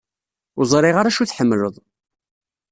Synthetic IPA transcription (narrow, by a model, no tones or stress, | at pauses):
ʊzˤɾˤɪʁaɾæʃuθħəmːləðˤ